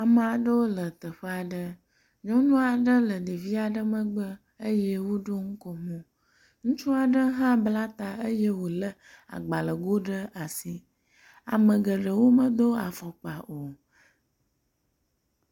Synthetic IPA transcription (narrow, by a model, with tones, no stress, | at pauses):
a˨mə˨a˨ɖə˦wo˦lə˨t̪ə˨ɸə˦a˨ɖə˦ | ɲɔ̃˦nũ˦a˨ɖə˦lə˨ɖi˨vi˦a˨ɖə˦mə̃˦ɡ͡bə˦ | ə˦je˦wo˦ɖo˦ŋ̩˦kɔ˨mũ˦ | ŋũ˦t͡ʃu˦a˨ɖə˦ɦã˦bla˦t̪a˨ə˦je˦wo˨lə˦ | a̰˨ɡ͡ba˨lə˨ɡo˦ɖə˦a˨si˦ | a̰˨mə̃˨ɡə˨ɖə˨wo˦mə˦d̪o˦a˨fɔ˨k͡pa˨o˨